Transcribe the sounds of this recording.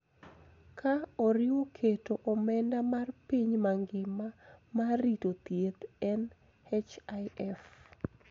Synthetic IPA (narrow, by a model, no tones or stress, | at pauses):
kʰaɔɾɪwokʰetoʔɔmɛndamarpiɲmaŋɡɪmamaritot̪jet̪ɛn | hɛt͡ʃaɛf